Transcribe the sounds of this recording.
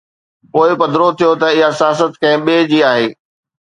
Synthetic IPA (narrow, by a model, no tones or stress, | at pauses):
poːɪpɐd̪ʱɾot̪ʰijot̪ɐɪɦasɪjaːs̬ət̪kɐ̃ɦɪ̃ɓeːd͡ʑiːaːɦeː